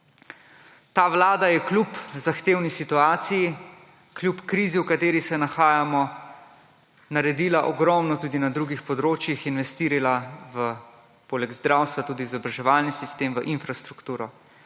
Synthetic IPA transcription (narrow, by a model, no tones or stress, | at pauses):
t̪aːʋlaːd̪ajɛklʲupzaxt̪eːwnisit̪uaːt̪siji | klʲjupkɾiːziwkat̪eːɾisɛnaxaːjamɔ | naɾɛd̪iːlaʔɔɡɾɔmnɔt̪uːd̪inad̪ɾuɡixpɔd̪ɾoːt͡ʃjixinʋɛst̪iːɾilaʋə | poːlɛɡzd̪ɾawst̪ʋat̪uːd̪iːzɔbɾaʒɛʋaːlnisist̪eːmʋəʔinfɾast̪ɾukt̪uːɾɔ